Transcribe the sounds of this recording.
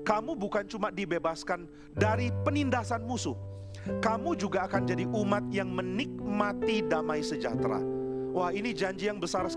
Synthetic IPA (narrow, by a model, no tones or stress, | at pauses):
kamubukant͡ʃumadibebaskan | daɾipənindasanmusʊh | kamud͡ʒuɡaːkand͡ʒadiʔumat̪̚jaŋmənik̚mat̪idamajsəd͡ʒa̰t̪ɾa̰wahinid͡ʒaɲd͡ʒijaŋbəsar